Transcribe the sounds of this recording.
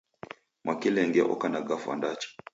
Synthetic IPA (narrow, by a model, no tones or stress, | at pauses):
mwʔakilɛŋɡɛʔɔ̰kanaɡafwa̰ndat͡ʃɔ̥